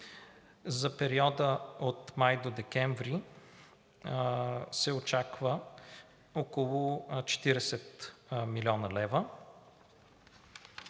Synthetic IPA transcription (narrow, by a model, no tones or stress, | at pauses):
zɐpɛɾiɔd̪əot̪majd̪od̪ɛkɛɱvɾi | sɛot͡ʃakvə | okolˠʊt͡ʃɛ̥t̪iɾɛsɛt̪milʲiɔnəlɛvə